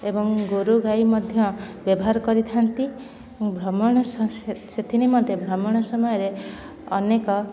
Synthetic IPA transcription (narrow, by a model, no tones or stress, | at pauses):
ebɔŋɡoɾuɡajmɔd̪ʱjɔbjɔbɔɦaɾɔkɔɾit̪ʰant̪i | ɔŋbʱɾɔmɔɽ̃ɔsset̪ʰinimɔnt̪ebʱɾɔmɔɽ̃ɔsɔmɔjɔɾe | ɔ̰nekɔ